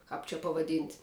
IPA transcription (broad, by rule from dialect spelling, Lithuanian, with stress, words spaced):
kɑːp t͡ʃʲɛ pɐʋɐˈdʲiːnʲtʲ